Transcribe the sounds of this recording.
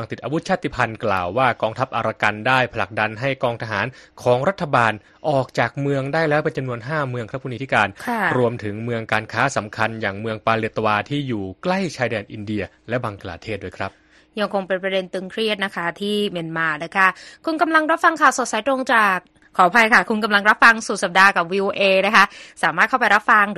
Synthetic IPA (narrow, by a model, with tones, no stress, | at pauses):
a˧t̪i˨˩t̪̚ʔa˧wu˦˥t̪̚t͡ɕʰaː˥˩t̪ʰːi˧˥˩pʰa˧nkla̰ː˨˩wːaː˥˩kɔː˧ŋt̪ʰa˦˥p̚ʔa˧ɾaː˧ka˧ndaː˥˩jpʰa˧la˨˩k̚da˧nɦa˥˩jkɔː˧ŋt̪ʰa˧ɦaː˩˦nkʰɔː˩˦ŋɾa˦˥t̪ʰːa˧baː˧n | ʔɔː˨˩k̚t͡ɕaː˨˩k̚mɯ˧əŋdaː˥˩jlɛː˦˥wpe˧nt͡ɕa˧mnu˧ənɦaː˥˩mɯ˧əŋkɾa˦˥pʰu˥˩niː˧t̪ʰi˥kaː˧nkʰa˥ɾu˧əmt̪ʰɯ˩˦ŋmɯ˧əŋkaː˧nkʰaː˦˥sa˩˦mkʰa˧njaː˨˩ŋmɯ˧əŋpaː˧lɯ˧˩ət̪ːa˧waː˧t̪ʰiː˥˩juː˨˩kla˥˩jt͡ɕʰaː˧jdɛː˧nʔi˧ndi˧ɐ | lɛ˦˥baː˧ŋkla̰ː˧t̪ʰeː˥˩t̪̚du˥˩jkʰɾa˦˥p̚ | ja˧ŋkʰo˧ŋpe˧npɾa˧de˧nt̪ɯ˧ŋkʰɾi˥˩ət̪̚na˦˥kʰa˦˥t̪ʰiː˥˩me˧nmaː˧na˦˥kʰa˦˥˩kʰu˧nka˧mla˧ŋɾa˦˥p̚fa˧ŋkʰaː˨˩wso˨˩t̪̚sa˩˦jt̪ɾo˧ŋt͡ɕaː˨˩k̚ʰːɔː˩˦pʰa˧jkʰa˥˩kʰu˧nka˧mla˧ŋɾa˦˥p̚fa˧ŋsu˨˩t̪̚sa˨˩p̚daː˧ka˨˩p̚wiː˧ʔoː˧ʔeː˧na˦˥kʰa˦˥saː˨˦maː˥˩kʰa˥˩wpa˧jɾa˦˥p̚fa˧ŋ˦